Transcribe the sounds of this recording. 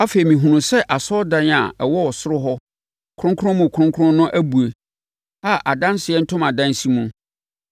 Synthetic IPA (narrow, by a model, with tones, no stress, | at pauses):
a˦fe˨i˨mĩ˨ɦũ˨nũ˨sɛ˦ʔa˨sɔ˦dã˦na̰˨ɛ˨wɔ˦ɔ˨sʊ˦ɾʊ˦ɦɔ˦ | kʰʊ˦ʊ̃˦ŋkʰʊ˦ʊ̃˦mũ˨kʰʊ̃˦ŋkʰʊ˦ʊ̃˦nʊ̃˦ʔæ˦bu˨e˨ | a˦ʔa˨dã˦n˦sɪ˨ɛ˦n̩˦tʰʊ̃˦mã˨dã˦n˦si˦mũ˨